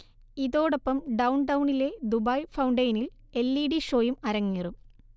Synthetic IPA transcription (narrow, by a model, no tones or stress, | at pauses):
iðo̞ːɽopːɐmɖɐwɳɖɐwuɳile̞d̪ubɐjfɐwɳɖɐjnil | e̞lːiːɖiʂo̞ːjumɐɾɐŋːirum